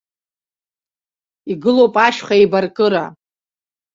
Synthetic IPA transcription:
iɡɨlowpʼaʃχaibarkʼɨɾa

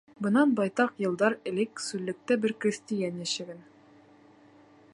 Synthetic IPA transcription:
bɤ̆nɑnbɑjt̪ɑqjɤ̆lˠd̪ɑɾɘ̆lɘksʉllːɘ̆k̚t̪ɘbɘɾkrʲisʲt̪ʲijænjæɕɘ̆ɡɘn

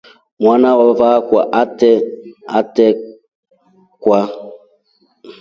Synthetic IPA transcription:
mwanawavakʷaʔatɛatɛ | kwa

